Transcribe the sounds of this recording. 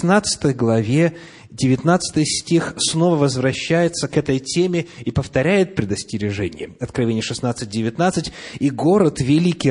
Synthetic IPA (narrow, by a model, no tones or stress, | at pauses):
nat̪sɨ̥t̪əjɡlˠɐvʲe̞ | dʲɪvʲɪt̪nat̪sɨ̥t̪ɨjsʲtʲixsno̞vəvəzvɾɐɕːæjɪt̪səkɛt̪əjtʲemʲɪipəft̪ɐɾʲæjɪt̪̚pɾʲɪd̪əsʲtʲɪɾʲɪʐɛnʲɪ̰jəɐt̪kɾɐvʲenʲɪjəʂɨsnat̪sɨt̚ʲdʲɪvʲɪt̪nat̪sɨtʲiɡo̞ɾət̪vʲɪlʲikʲi